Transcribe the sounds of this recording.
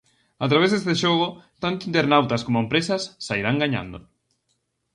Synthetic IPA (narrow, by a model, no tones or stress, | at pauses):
at̪ɾaβ̞ezðesðt̪eʃoɣ̞ʊt̪ant̪ʊint̪eɾnawt̪ɐskomoempɾesɐsːaiɾaŋɡaɲã̰nd̪o